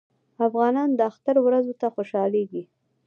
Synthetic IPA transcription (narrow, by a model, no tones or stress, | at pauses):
afɣɑnɑnd̪əaxt̪aɾwɾazot̪axoʃɑleɡi